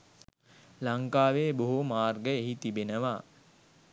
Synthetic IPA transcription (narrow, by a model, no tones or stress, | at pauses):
laŋkaːʋeːboɦumaːrɡəeɦit̪ibenəʋa